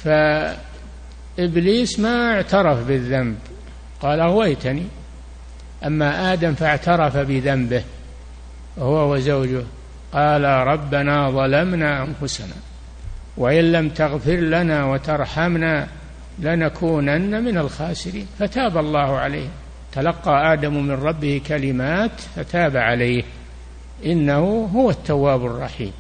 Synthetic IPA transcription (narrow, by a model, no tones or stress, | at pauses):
fa | ʔɪbliːsmaɪʕt̪ɑɾˤɑfbɪðːamb | qɑːlaɣʊwajt̪ani | ʔamːaʔaːd̪amfaʕt̪ɑɾˤɑfabɪðambɪh | hʊwawazawd͡ʒʊh | qɑːlaɾˤɑbːanaːðˤɑlamnaːʔanfʊsana̰ː | waʔɪnlamt̪aɣfɪɾlanawat̪ɑɾˤħamna | lanakʰuːnanːamɪnalxaːsɪɾḭːnfat̪aːbalˤːɑːhʊʕalaːh | t̪alɑqːɑʔaːd̪ammɪnɾˤɑbːɪhikalɪmaːt̪fat̪aːbaʕalajh | ʔɪnːahʊɦʊwat̪ːawːaːbʊrˤːɑħḭːm